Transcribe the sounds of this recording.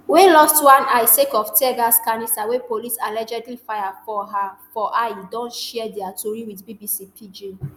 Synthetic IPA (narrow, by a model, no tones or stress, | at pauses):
welɔstwãnaɪsekɔftʰɛɡaskanistawepolisalɛd͡ʒɛdlifajafɔɦafɔʔaɪdɔ̃ntʃɛdɛatʰuɹiwiθbibisipʰid͡ʒe